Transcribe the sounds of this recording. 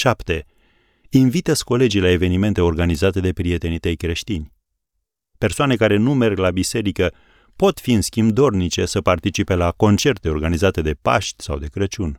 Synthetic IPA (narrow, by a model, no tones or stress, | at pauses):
ʃapt̪e̞ | invit̪esko̞le̞d͡ʒijlae̞ve̞nime̞nt̪e̞o̞rɡanizat̪e̞d̪e̞pɾie̞t̪e̞nit̪ejkɾe̞ʃt̪inʲ | pe̞rsoane̞kaɾe̞nume̞rɡlabise̞ɾikə | po̞t̪fiɨnskʲimbd̪o̞rnit͡ʃe̞səpart̪it͡ʃipe̞lako̞nt͡ʃe̞rt̪e̞o̞rɡanizat̪e̞d̪e̞pa̰ʃt̪ʲsa̰wd̪e̞kɾət͡ʃunʲ